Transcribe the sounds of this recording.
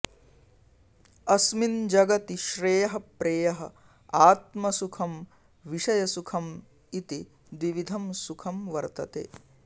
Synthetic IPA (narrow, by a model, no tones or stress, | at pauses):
ɐsmind͡ʒɐɡɐt̪iʃɾeːjɐɦɐpɾeːjɐɦɐ | aːt̪mɐsukʰɐm | ʋiʂɐjɐsukʰɐm | it̪i | d̪ʋiʋid̪ʱɐmsukʰɐmʋɐɾt̪ɐt̪ḛː